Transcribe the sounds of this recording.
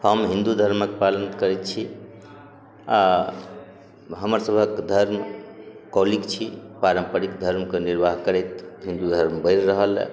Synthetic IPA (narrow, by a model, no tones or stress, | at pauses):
həmɦĩnd̪ud̪ʱəɾməkpalənkəɾɛt̪t͡ʃʰi | a | ɦəməɾsəbʱəkd̪ʱəɾmkɔlikt͡ʃʰipaɾəmpəɾikd̪ʱəɾmkeniɾbaɦkəɾɛjt̪ɦĩnd̪ud̪ʱəɾmbəɪɾɾəɦəl̰